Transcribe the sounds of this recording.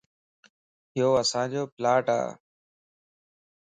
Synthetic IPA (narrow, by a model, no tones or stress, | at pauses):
ɪjoːəsãːd͡ʑoːplaːʈa̰ː